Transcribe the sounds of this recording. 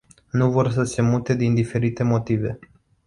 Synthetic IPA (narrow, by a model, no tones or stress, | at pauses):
nuvo̞rs̬əse̞mut̪e̞d̪ind̪ife̞ɾit̪e̞mo̞t̪ive̞